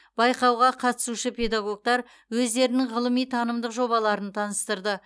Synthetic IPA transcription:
bɑjqɑwʁɑqʰɑt̪ə̥suʃəpʰʲe̞d̪aɡo̞k̚t̪ɑɾ | wɵzd̪e̞ɾɪnɪŋʁəlˠəmijt̪ʰɑnəmd̪əqʒo̞bɑlˠɑɾənt̪ʰɑnəst̪əɾd̪ə

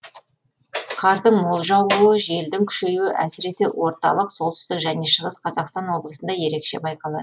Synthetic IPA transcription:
qʰɑɾd̪əɴmo̞lˠʒɑwuwəʒe̞ld̪ɪŋkʲʰʏ̥ʃe̞juɪʔæsɪɾe̞se̞wo̞ɾt̪ɑ̰lˠəqsolˠt̪ə̥st̪ɪkʒæne̞ʃəʁəsqʰɑzɑqst̪ɑnwo̞blˠəsənd̪ɑje̞ɾe̞kʃe̞̰bɑjqɑlˠɑ̰d̪ə

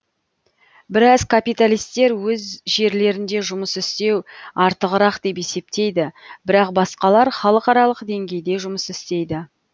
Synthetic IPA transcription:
bɪɾɑzkʰapijt̪alʲijst̪e̞ɾwɵzʒe̞ɾle̞ɾɪnd̪e̞ʒʊməsɪst̪e̞wɑɾt̪əʁəɾɑqd̪e̞p̬e̞se̞p̚t̪e̞jd̪ɪbɪɾɑqbɑsqɑlˠɑɾχɑlˠəqɑɾɑlˠəqd̪e̞ŋɡʲe̞jd̪e̞ʒʊməsɪst̪e̞jd̪ɪ

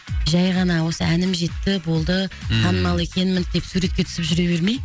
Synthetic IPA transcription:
ʒɑjʁɑnɑwo̞səænɪmʒe̞t̪ːɪbo̞lˠd̪ət̪ʰɑnəmɑlˠe̞kʲʰe̞nɪmɪnd̪̥e̞psuɾe̞t̪̚kʲe̞t̪ʰʏ̥sɪpʒʏɾe̞be̞ɾme̞j

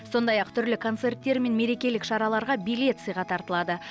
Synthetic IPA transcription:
so̞nd̪ɑjɑqt̪ʰʏɾlɪkʰo̞nt̪se̞rt̪ːe̞ɾme̞nme̞ɾe̞kʲe̞lɪkʃɑɾɑlˠɑɾʁɑbijle̞t̪sɨjʁɑt̪ʰɑɾt̪əlˠɑd̪ə

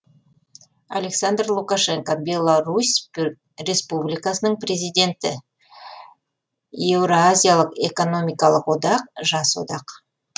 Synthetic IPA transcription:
a̰le̞ksand̪rlˠukaʃe̞ŋkobʲe̞lˠaɾusʲ | re̞spublijkasənəɴpre̞zijd̪e̞nt̪ɪ | evɾoazʲijalˠəqe̞ko̞no̞mijkɑlˠəqwo̞d̪ɑq̚ʒɑswo̰d̪ɑq

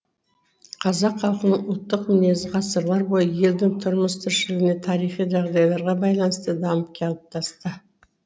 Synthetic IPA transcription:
qʰɑzɑqχɑlˠqənəɴʊlˠt̪ːəqmɪne̞zʁɑsəɾlˠɑɾbo̞jəje̞ld̪ɪŋt̪ʰʊɾməst̪ʰʏɾʃɪlɪɡʲɪne̞t̪ʰɑɾijχijʒɑʁd̪ɑjlˠɑɾʁɑbɑjlˠɑnəst̪əd̪ɑməpkʲeɑlˠəp̚t̪ʰɑst̪ə

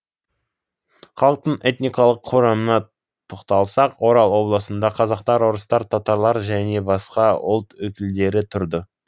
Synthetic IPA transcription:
χɑlˠəq̚t̪əɴe̞t̪nijkɑlˠəqʰːoɾɑmənɑ | t̪ʰoqt̪ɑlˠsɑqwo̞ɾɑlˠwo̞blˠəsənd̪ɑqʰɑzɑqt̪ɑɾwoɾəst̪ɑɾt̪ʰɑt̪ɑɾlˠɑɾʒæne̞bɑsqɑwʊ̰lˠt̪wɵkʲɪld̪e̞ɾɪt̪ʰʊɾd̪ə

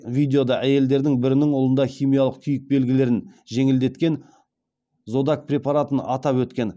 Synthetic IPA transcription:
vijd̪e̞o̞d̪ɑʔæje̞ld̪e̞ɾd̪ɪŋbɪɾɪnɪŋolˠənd̪ɑχʲijmijɑlˠəq̚kʲʰʏjɪk̚be̞lɡʲɪle̞ɾɪnʒe̞ŋɪld̪e̞t̪kʲe̞n | zo̞d̪ɑk̚pʰrʲe̞paɾat̪ənɑt̪ɑpwɵt̪kʲe̞n

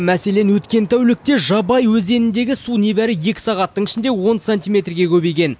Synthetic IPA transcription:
mæse̞le̞nwɵt̪kʲe̞nt̪ʰæwlɪk̚t̪e̞ʒɑbɑjwɵzenɪnd̪e̞ɡʲɪsune̞bæɾɪje̞kʲɪ̥sɑʁɑt̪ːəɴɪʃɪnd̪e̞wo̞nsenʲt̪ijme̞t̪rɡʲe̞kʲʰɵbe̞jɡʲe̞n

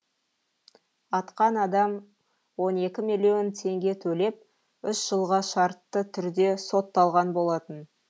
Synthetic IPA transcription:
ɑt̪qɑnɑd̪ɑm | wo̞ne̞kʲɪmilʲijo̞nt̪ʰe̞ŋɡʲe̞t̪ʰɵle̞p̚ | ʏʃʒ̥əlˠʁɑʃɑɾt̪ːət̪ʰʏɾd̪e̞so̞t̪ːɑlˠʁɑnbo̞lˠɑt̪ən

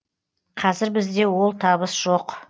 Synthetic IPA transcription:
qʰɑzɪɾbɪzd̪e̞wo̞lˠt̪ʰɑbəsʒ̥o̞q

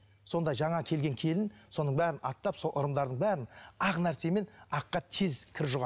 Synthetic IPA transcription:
so̞nd̪ɑjʒɑɴɑkʲʰe̞lɡʲe̞ŋkʲʰe̞lɪnso̞nəɴbæɾɪnɑt̪ːɑpso̞lˠʔʊɾəmd̪ɑɾd̪əɴbæɾɪnɑʁnæɾse̞me̞nɑqːɑt̪ʰezkʲʰɪɾʒʊʁɑ

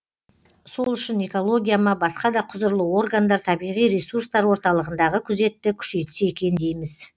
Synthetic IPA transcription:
solˠʏʃɪne̞ko̞lˠo̞ɡʲijamɑbɑsqɑd̪ɑqʰʊzəɾlˠəwo̞rɡand̪ɑɾt̪ʰɑbijʁijɾe̞suɾst̪ɑɾwo̞ɾt̪ɑlˠəʁənd̪ɑʁəkʲʰʏze̞t̪ːɪkʲʰʏ̥ʃe̞jt̪ɪ̥se̞kʲe̞nd̪e̞jmɪz̥

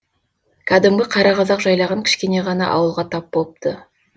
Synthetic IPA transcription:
kʲʰæd̪ɪmɡʲɪqʰɑɾɑʁɑzɑqʒɑjlˠɑʁɑŋkʲʰɪ̥ʃkʲe̞ne̞ʁɑnɑ̰ʔɑ̰wəlˠʁɑt̪ʰɑp̚bolˠəp̚t̪ʰə

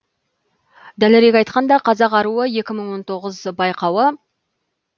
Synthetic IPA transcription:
d̪æleɾekʲɑjt̪qɑnd̪ɑqʰɑzɑqɑɾuəje̞kʲɪməɴwo̞nt̪ʰo̞ʁəzbɑjqɑwə

